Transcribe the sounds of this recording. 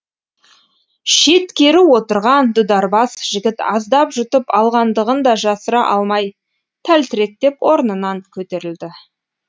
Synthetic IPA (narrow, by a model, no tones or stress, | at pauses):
ʃe̞t̪kʲe̞ɾɪwo̞t̪əɾʁɑnd̪ʊd̪ɑɾbɑsʒ̥ɪɡʲɪt̪ɑ̰zd̪ɑpʒʏt̪əpɑlˠʁɑnd̪əʁənd̪ɑʒɑsəɾɑʔɑlˠmɑj | t̪ʰælt̪ɪɾe̞k̚t̪e̞pwʔo̞ɾnənɑŋkʲʰɵt̪e̞ɾɪld̪ɪ